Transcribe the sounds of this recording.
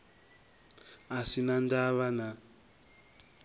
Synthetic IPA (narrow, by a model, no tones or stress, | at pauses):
asinandaβana